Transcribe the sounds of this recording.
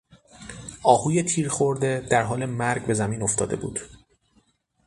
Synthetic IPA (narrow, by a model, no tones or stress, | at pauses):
ʔɒːhuːje̞t̪ʰiːɾxoɾd̪e̞d̪̥æɾɦɒːle̞mæɾɡbe̞zæmiːno̞ft̪ɒ̰ːd̪e̞bṵːd̪̥